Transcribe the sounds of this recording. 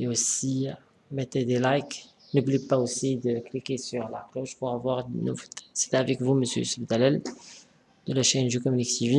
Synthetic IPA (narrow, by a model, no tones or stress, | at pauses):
ljaosi | mɛt̪ed̪elajk | nublipaosid̪əklikesyʁlakloʃpuʁavwaʁd̪nṵvot̪se̥t̪avɛkvuməsjø̰səbd̪alɛl | d̪̥əlaʃeɛ̃nʒøkɔmyniksivi